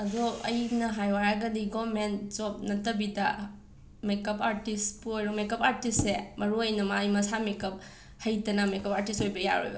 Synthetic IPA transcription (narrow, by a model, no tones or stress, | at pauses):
ɐdoɐ̰jnɐɦajwaɾɐɡɐdiɡomentzop̚nɐtɐbidɐ | mekɐpaɾtispuojɾomekɐpaɾtistsemɐɾuɐjnɐmajmɐsamekɐp̚ | hɐjdɐnɐmekɐpaɾtistojbɐja̰ɾo̰jbɐ̰